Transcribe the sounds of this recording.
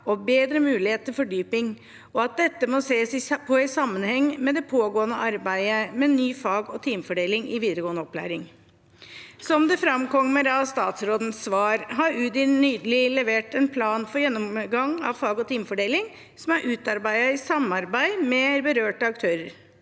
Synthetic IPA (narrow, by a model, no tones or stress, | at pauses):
ɔbeːd̪ɾəmʉːlɪheːt̪ʰːəfɔɖyːpɪŋ | ɔɑt̪̚d̪ɛt̪ːəmɔseːsɪpʰɔɪsɑmːənhɛŋːmɛd̪ɛpʰoːɡoːənəʔɑɾbæɪəmɛnyːfɑːɡɔt̪ʰiːmfɔɖeːlɪŋɪʋiːd̪əɾəɡoːənəɔpːlæ̰ːɾɪŋ | sɔmd̪ɛfɾɑmkʰɔŋmɛɾɑst̪ɑːt̪sɾoːd̪nəsːʋɑːɾɦɑɾʉːd̪ɪnyːd̪əlɪlɛʋeːʈɛnpʰlɑːnfɔɾjɛnːɔmɡɑŋɑ̰ʋfɑːɡɔt̪ʰiːmfɔɖeːlɪŋ | sɔmæɾʔʉːt̪ɑɾbæɪɑɪsɑmɑɾbæɪmɛɾbəɾøːʈəɑk̚t̪ʰøːɾəɾ